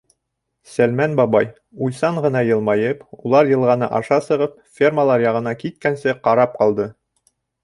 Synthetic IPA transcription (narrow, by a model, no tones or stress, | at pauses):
sælmænbɑbɑj | ujsɑɴʁɤ̆nɑjɤ̆lˠmɑjɤpulˠɑɾjɤ̆lˠʁɑnɤʔɑʃɑsɤ̆ʁɤpfʲerməlˠɑɾjɑʁɤ̆nɑkit̪̚kænsɘqɑɾɑp̚qɑlˠd̪ɤ